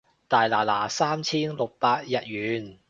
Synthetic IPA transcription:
t̪aː˨jlaː˨˩laː˨˩saː˥mt͡sʰiː˥nlo˨k̚paː˧t̚jɐ˨t̚ɥyː˨˥n

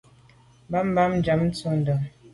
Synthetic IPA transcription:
mba˦m˦ba˦m̩˦d͡ʒa˨˦m̩˦t͡so˦n˦də˨ŋ

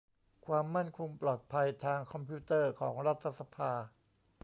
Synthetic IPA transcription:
kʰwaː˧mːa˥˩nkʰo˧ŋplɔː˨˩t̪̚pʰa˧jt̪ʰaː˧ŋkʰɔ˧mpʰu˦˥t̪ɤː˥˩kʰɔː˩˦ŋɾa˦˥t̪ʰːa˧sa˧pʰaː˧

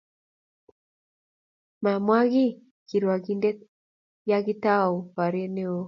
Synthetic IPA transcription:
ma˨mwa˦ɣi˦ | ki˨ɾwa˨ɡi˨nde˦ | ja˦ɣi˦ta˦˨u˨pa˨ɾe˦ne˦o˦

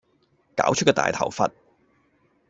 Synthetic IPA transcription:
ka̰ː˨˥wt͡ʃ̚ʰkːɔː˧t̪a̰ː˨jt̪ʰɐ̰˨˩wfɐ̰˨t̚

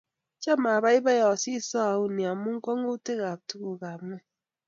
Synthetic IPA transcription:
t͡ʃa˦ma˨ba˦i˦ba˦jɔ˨si˦sɔ˦a˨u˦ni˨a˨mu˦ŋ̩˦kɔ˦ŋ˦u˦te˦ɣa˨tu˦ku˨ka˨mɛ˦

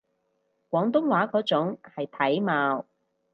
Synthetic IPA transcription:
kʷwɔː˨˥ŋt̪ʊ˥ŋwaː˨˥kɔː˨˥t͡sʊ˨˥ŋhɐ˨jt̪ʰɐ˨˥jmaː˨˧w

